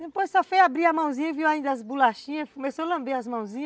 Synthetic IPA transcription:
d̪epojssɔfojabɾiɐmɐ̃w̃zĩɲɐviwaĩnd̪ɐɐzbulaʃĩɲɐkõmesolɐ̃mbeɐzmɐ̃w̃zĩɲɐ

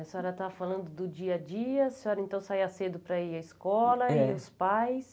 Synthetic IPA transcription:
ɛsɔɾɐt̪afalɐ̃nd̪ʊd̪ʊd͡ʒiɐd͡ʒiɐsɪɔɾɐẽnt̪ɐ̃w̃saiɐsed̪ʊpɾɐiɐiskɔlɐʊspajs

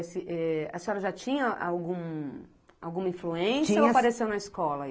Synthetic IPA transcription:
sɪʔɛɐsɔɾɐʒat͡ʃĩɲɐʔa̰wɡũ | a̰wɡũmɐĩfluẽsiɐoapaɾesewnɐiskɔlɐ

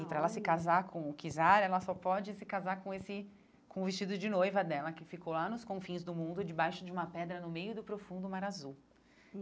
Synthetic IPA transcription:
ɪpɾɐɛlɐsɪkazaɾkʰõʊkizaɾɛlɐsɔpɔd͡ʒɪsɪkazaɾkõesɪ | kõʊvist͡ʃid̪ʊd͡ʒɪnojvɐd̪ɛlɐkɪfikowlanʊskõfĩzd̪ʊmũnd̪ʊd͡ʒɪbajʃʊd͡ʒɪũmɐpɛd̪ɾɐnʊmejʊd̪ʊpɾofũnd̪ʊmaɾazuw

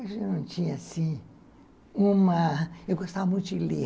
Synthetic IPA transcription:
aʃinũt͡ʃĩãsĩ | ũmãekʷast̪amũt͡ʃili

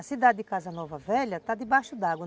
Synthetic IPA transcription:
ɐsid̪ad̪ɪd̪ɪkazɐnɔvɐvɛʎɐt̪ad̪ɪbaʃʊd̪aɡwɐ

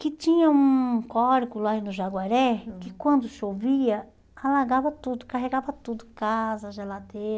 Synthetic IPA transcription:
kɪt͡ʃĩɲɐũkɔɾkʊlainʊʒaɡwaɾɛkɪkwɐ̃nd̪ʊʃoviɐ | alaɾɡavɐt̪ud̪ʊkaɦeɡavɐt̪ud̪ʊkazɐʒelad̪eɾɐ

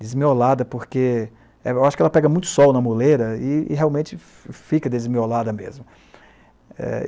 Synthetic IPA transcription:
d̪ezmiolad̪ɐpoɾke | ɛewaʃʊ̥kɛlɐpɛɡɐmũj̃t̪ʊ̥sɔwnɐmoleɾɐɪ̰ːɦeaw̃mẽt͡ʃɪ | fikɐd̪ezmiolad̪ɐmḛzmʊ | ɛ̰

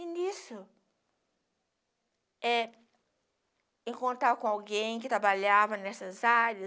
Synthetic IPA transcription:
inisʊ | ɛ | ẽkõnt̪akõawɡẽj̃kɪt̪ɾabaʎavɐnɛsɐzaɾɐ

